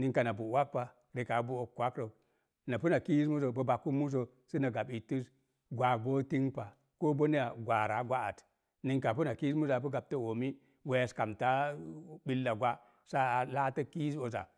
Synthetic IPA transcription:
ni˨ŋka˨na˨bu˨wa˦k̚pa˨ | ɾe˨ka˨˦bu˦o˨kːwa˦kɾo˨ | na˨pu˦na˨ki˦ji˦smu˦s̬o˨bo˨ba˨kːu˦mu˦s̬o˨ | si˦na˨ɡa˨ɓi˨ti˦s | ɡʷa˨bo˦ti˦ŋpa˨ | ko˦bo˦ni˦ja˨ɡʷa˨ɾa˨˦ɡʷa˦a̰˨t | ni˨ŋka˨pu˦na˨ki˦mu˦za˨pu˦ɡa˨b̚ta˦wo˨mi˦ | we˦ja˨ska˨mta˦ɓi˦lːa˨ɡʷa˦ | sa˦a˨la˦ta˦ki˦so˨za̰˨

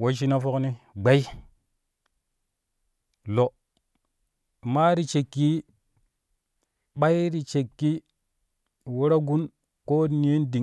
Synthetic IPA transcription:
wo˦ʃ̬i˦na˦fo˦kni˦ɡ͡ba˦i˦ | lo˨ | ma˦ɾi˦t͡ʃe˨kːi˦ | ɓa˦jɾi˨t͡ʃe˨kːi˦ | wu˦ɾa˦ɡu˦n | ko˦n˦e˦ndi˨

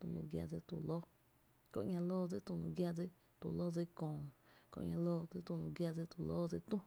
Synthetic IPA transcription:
t̪ṵ̃˧lṵ̃˧ɡja̰˧d͡zɨ˧t̪u˨lo˦ | kõ̰˧ʔɲã˧loː˦d͡zi˧t̪ũ˧nũ˧ɡja˧d͡zi˧ | t̪ṵ˨lo˦d͡zi˧kõː˨ko̰˧ʔɲã˧loː˦˧d͡zi˧t̪ũ˧lũ˧ɡja˧d͡zi˧t̪u˨lo˦d͡zi˧t̪ũ˦

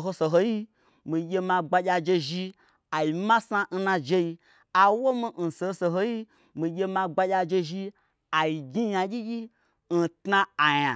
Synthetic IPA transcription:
ɦo˧so˨ɦo˧ji˦ | mi˨ɡʲe˧mã˧ɡ͡ba˧jʲa˧d͡ʒe˧ʒi˧ | a˨ji˨ma˦sa˦n̩˦nã˧d͡ʒe˦i˧ | a˨wo˦mi˦n̩˨so˨ho˦so˨ɦo˦ji˦ | mi˨ɡʲe˧mã˧ɡ͡ba˧jʲa˧d͡ʒe˧ʒi˧ | a˨ji˨ɡʲi˦ja˧ɡʲi˦ɡʲi˦ | n̩˨tna˧a˨ja˨

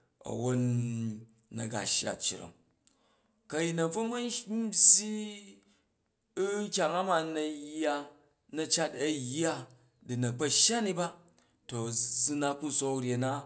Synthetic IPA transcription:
ɐ̰˨wo˦nː | ɐ˨ɡa̰˨ʃja̰˨t͡ʃːḭ˨ɾo̰˨m | kɐ˨ji˨nɐ˨b͡vo˦mɐ˦sʲi˦ | kʲa˨ŋa˦ma˨nɐ˨ja˦ | nɐ˨t͡ʃa˦tɐ˨jːa˦ | di˨nɐ˨k͡pɐ˨ʃja˦ni˦ba˦ | to˨su˦na˦ku˦so˦kɾʲe˨na˦

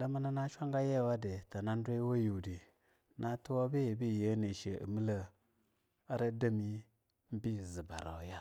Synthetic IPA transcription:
da˦ma˦na˦na˦ʃʷa˦ŋɡa˦je˦˨wa˦de˨ta˨na˦n˦dʷe˦wa˦ju˨di˨ | nʔa˦tu˦wa˦bi˦je˨bi˦˨je˦ne˨ʃe˨ə̰˨mi˦la˨ | a˦ɾa˦da˦mi˦ | m̩˦bi˦˨zi˨ba˨ɾa̰˨wja˦

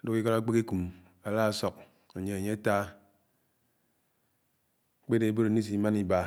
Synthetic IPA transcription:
do˦ki˦ka˦ɾa˦k͡pe˦ki˦ku˨m | a˨la˦a˨sɔ˦k̚ | a˨ɲe˨a˨ɲe˦a˦ta˦ | k͡pe˦de˦bo˦ɾni˦s̬i˨˦ma˦ni˦ba˦

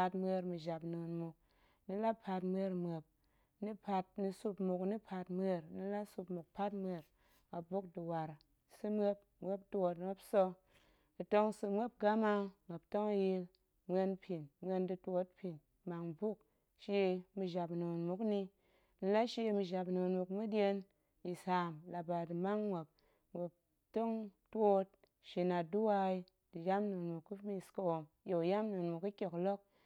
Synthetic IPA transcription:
a˧tmʷe˧ɾmi˧ʒa˨pnu˨nmu˨k̚ | ni˧la˦pʰa˧tm˦e˧˦ɾm˨e˨p̚ | ni˦pʰa˧t̚ni˧su˧pmu˨kni˦pʰa˧tmʷe˦˨ɾni˧la˦su˧pmu˨k̚pa˦tmʷe˧ɾ | a˨bu˦k̚di˨wa˨ɾ | sɨ˦mʷe˦p̚mʷe˦ptu˦o˧tme˦psɔ˧ | i˨to˦ŋsɨ˧mʷ˦e˦p̚ɡa˦ma˧m˨e˨pto˦ŋa˧ji˧˦l | mʷe˧npʰi˨nmʷe˧ndɨ˧tʷo˧˦t̚pi˨n | ma˨ŋ˨bu˦k | ʃe˧˦˧mi˧ʒa˨pno˨nmu˨kni˧ | n̩˦la˦ʃe˧˦mi˧ʒa˨pno˨nmu˨kmɨ˦dʲe˧n | ji˨sa˨mla˨ba˨dɨ˨ma˦ŋmʷe˨p̚ | mʷe˨p̚ | to˦ŋto˦t̚ | ʃi˨˧na˨du˦wa˧i˦ | d̥ɨ˨ja˦m˦no˨nmu˨ku˦mi˧˨sko˧wo˨m | jo˨ja˦m˦no˨nmu˨ki˦kʲo˨klo˦k̚

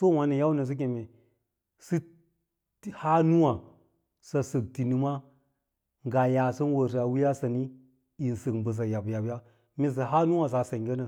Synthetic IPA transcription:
so˦˨wa˨ni˨ja˦u˦na˨s̬i˦k̬e˨me˨ | si˦ | tha˦nu˦wa˨ | sa˨sə˨k̚ti˨ni˨ma˦ | ŋɡa˨ja˨sə˦n˦wə˨s̬i˨a˨wi˦ja˦sa˨ni˦ | i˨nsə˨kbə˨s̬a˨ja˨bja˨bja˦ | mi˨s̬i˨ɦa˦nu˦wa˨s̬a˨sa˨ɡe˦na˨

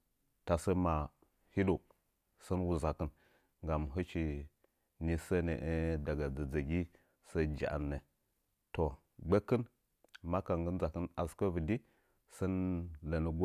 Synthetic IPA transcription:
ta˨sə˦ma˨ | hi˦do˨ | sə˦nwu˨za˨kə˦n | ŋɡa˨m˨ɦə˦t͡ʃi˨ | ni˨sə˦nə˨ʔə˦da˨ɡa˨d͡zə˨d͡zə˨ɡi˦ | sə˦d͡ʒa̰˨ʔa̰˨nːə˨ | to˨ | ɡ͡be˦kə˦n | ma˦ka˨ŋɡə˦nza˨kə˦na˨skə˦və˨di˦ | sə˦nlə˨nə˨ɡ

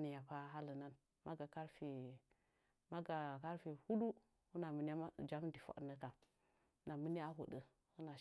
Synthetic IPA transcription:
ni˨ja˨pa˦ɦa˦lə˨na˦n | mʔa˦ɡa˨ka˦ɾfi˨ | ma˦ɡa˨ka˦ɾfi˨hu˦du˦ | hu˦na˨mə˨n˦a˦a˦d͡ʒa˦mdi˨fa̰˨ɗnə˦ka˨˦ | na˨mi˦ni˦a˦ɦṵ˨də˨ | hu˦na˨

